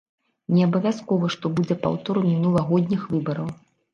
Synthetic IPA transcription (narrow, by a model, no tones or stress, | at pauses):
nʲɛɐbɐvʲaskɔvɐʂt̪ɔbud͡zʲɛpa̰wt̪ɔɾɨmʲinulˠɐɣɔd̪ʲnʲixvɨbɐɾɐw